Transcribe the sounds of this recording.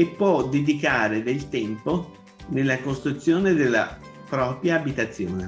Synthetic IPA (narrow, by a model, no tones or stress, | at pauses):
epːwɔd̪ed̪ikaːɾed̪elt̪ɛmpo | nelːakost̪ɾut̪sːjoːned̪elːa̰ | pɾɔːpɾjaːbit̪at̪sːjoːne